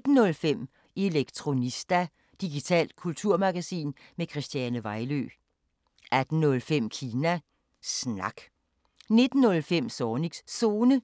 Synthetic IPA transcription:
d̥n̩ːɔ̽lfem̰ | e̝leɡ̥t͡sʰʁo̝nisd̥æ | d̥iɡ̥it͡sʰɛ̰ːld̥̚kʰult͡sʰuɐ̰mɑ̈ɡ̥æsḭːnmekʰʁisd̥jænəʋɑ̈ɪlø̰ː | ʔæd̥n̩ːɔ̽lfem̰kʰiːnæ | snɑ̈ɡ̥ | ne̝d̥n̩ːɔ̽lfem̰sɒːni̥sso̝ːnə

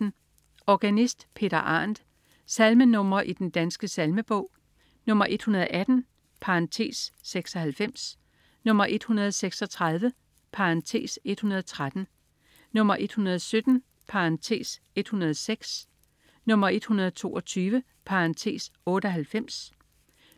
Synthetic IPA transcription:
n̩ | ɒɡ̥ænisd̥pʰe̝̰ːɾɐʔɑ̰̈ːnd̥ | sælmənɔ̽m̰ɐʔid̥end̥ænsɡ̥əsælməb̥ɔ̽ʊ̰ | nɔ̽m̰ɐʔe̝d̥hunɐð̞̩ˠʔæd̥n̩ | pʰɑ̈nt͡sʰe̝̰ːsːeɡ̥sɒ̽hælfem̰s | nɔ̽m̰ɐʔe̝d̥hunɐð̞ˠseɡ̥sɒ̽t͡sʰʁɑð̞ˠʋə | pʰɑ̈ʁɑnt͡sʰe̝̰ːse̝d̥hunɐð̞ˠɒt͡sʰʁad̥n̩ | nɔ̽m̰ɐʔe̝d̥hunɐð̞̩ˠsød̥n̩ | pʰɑ̈ant͡sʰe̝̰ːs | e̝d̥hunɐð̞ˠseɡ̥s | nɔ̽m̰ɐe̝d̥hunɐð̞ˠt͡sʰo̝̰ːʔɒt͡sʰyːʋə | pʰɑ̈ʁɑnt͡sʰe̝̰ːsɔ̽ːɾəɒ̽ɦælfem̰s

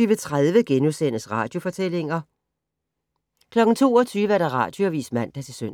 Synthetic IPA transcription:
yːʋət͡sʰʁaðˠʋəɡ̥enusen̰əsʁɑ̰̈ːd̥jo̝fɒ̽t͡sʰel̰e̝ŋɐ | kʰlɒ̽ɡ̥n̩t͡sʰo̝̰ːɒt͡sʰyːʋæɐɾ̥ɑ̈ʁɑ̰̈ːd̥jo̝ɒʋḭːsmæn̰d̥ɑt͡sʰe̝søn

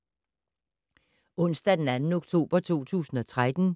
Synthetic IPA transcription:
ɔ̽n̰sd̥æd̥enænn̩oɡ̥̚t͡sʰo̝̰ːb̥ɐt͡sʰo̝̰ːt͡sʰṵːsn̩ɒ̽t͡sʰʁad̥n̩

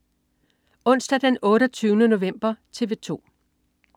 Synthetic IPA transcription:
ɔ̽n̰sd̥æd̥enɔ̽ːɾɒt͡sʰyːʊnəno̝ʋem̰b̥ɐt͡sʰe̝ʋe̝t͡sʰo̝̰ː

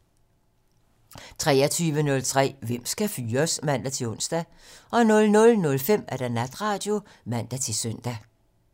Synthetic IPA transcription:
t͡sʰʁɛːɐt͡sʰyːʋənɔ̽lt͡sʰʁɛ̰ːʋem̰sɡ̥æfyːɐsmæn̰d̥æt͡sʰe̝lɔ̽n̰sd̥æ | ʔɒ̽nɔ̽lnɔ̽lnɔ̽lfem̰æd̥ænæd̥ʁɑ̈ːd̥jo̝ | mæn̰d̥æt͡sʰe̝sœn̰d̥æ

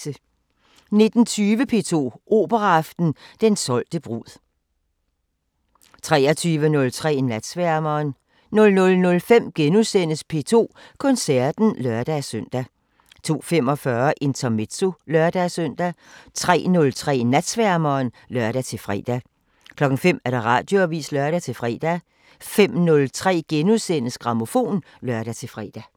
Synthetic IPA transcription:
ə | ne̝d̥n̩t͡sʰyːʋəpʰe̝̰ːt͡sʰo̝̰ːʔo̝̰ːb̥ɐʁɐɑfd̥n̩d̥ensɒ̽l̰d̥əb̥ʁuð̰ˠ | t͡sʰʁɛ̰ːɐt͡sʰyːʋənɔ̽lt͡sʰʁɛ̰ːnæd̥sʋæɐmɐːn | nɔ̽lnɔ̽lnɔ̽lfem̰ɡ̥enusen̰əspʰe̝̰ːt͡sʰo̝̰ːkʰɔ̽nsæɐd̥n̩lɶɐd̥æsøn̰d̥æ | t͡sʰo̝̰ːfem̰ɒ̽fɶːɐʔe̝nt͡sʰɐme̝d̥so̝lɶɐd̥æsøn̰d̥æt͡sʰʁɛ̰ːnɔ̽lt͡sʰʁɛ̰ːnæd̥sʋæɐmɐːn | lɶɐ̰ɾ̥æt͡sʰe̝lfʁɛ̰ːd̥æ | kʰlɒ̽ɡ̥ŋ̩fem̰æɐɾ̥eʁɑ̈ːd̥jo̝ɐʋḭːslœɐɾ̥æt͡sʰe̝lfʁɛ̰ːd̥æ | fem̰nɔ̽lt͡sʰʁɛ̰ːɡ̥enusen̰əsɡ̥ʁɑ̈mo̝fo̝̰ːn | lɶɐd̥æt͡sʰe̝fʁɛ̰ːd̥æ

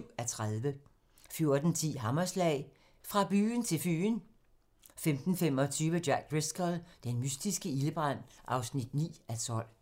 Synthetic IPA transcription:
ʊæt͡sʰʁaðˠʋə | fjo̝ɐd̥n̩t͡sʰḭːɦɑ̈mɐslɛ̰ɪ | fʁɑ̈b̥y̰ːnt͡sʰe̝lfy̰ːn | femd̥n̩fem̰ɒ̽t͡sʰyːʋəd̥jæɡ̥̚ʁeskʰəld̥enmysd̥isɡ̥əiləb̥ʁan̰ʔɑ̈ʊsnid̥nḭːæt͡sʰɒ̽l̰

